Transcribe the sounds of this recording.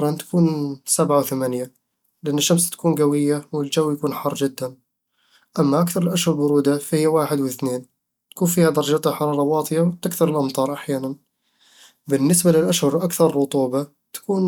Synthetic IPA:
ɾˤɑnt̪ḁkuːnsabʕawθamanja | lɪʔanːɪʃːamst̪ḁkuːnɡawɪjːawɪld͡ʒawːjakuːnħɑrˤːʒɪd̪ːan | ʔamːaʔakθɑɾˤɪlʔaʃhʊɾˤbʊɾuːd̪afahɪjːawaːħɪd̪wθneːn | t̪ḁkuːnfiːhad̪ɑɾˤɑd͡ʒaːt̪ˤɪħɑɾˤɑːɾˤɑwɑːt̪ˤjawt̪ɪkθɑɾˤɪlʔɑmt̪ˤɑːɾˤʔaħjaːnan | bɪnːɪsbalɪlʔaʃhʊɾˤʔakθɑɾˤɾˤʊt̪ˤuːba | t̪ḁkuːn

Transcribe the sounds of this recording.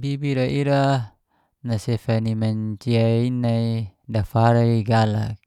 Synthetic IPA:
bibiɾaʔiɾa | nasɛfanimaɲt͡ʃiainaidafaɾaiɡala̰k̚

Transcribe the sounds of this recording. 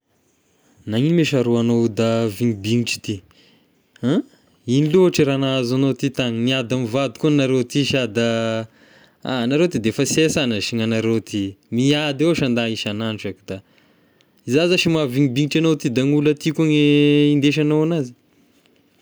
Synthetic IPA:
naŋinimeʃaɾuanod̪aviŋibiŋiʈ͡ʂi̥t̪i | ã | iniluaʈ͡ʂiɾanaazanot̪it̪aŋiniad̪amivad̪i̥kunaɾewt̪iʃad̪a | a̰naɾewt̪id̪efasesanəʃiŋanaɾewt̪ʰimiad̪ewaʃand̪aiʃananʈ͡ʂakid̪̥a | izazaʃimaviŋibiŋiʈ͡ʂanot̪id̪aŋulət̪ikuŋeind̪eʃ̬anowanazi̥

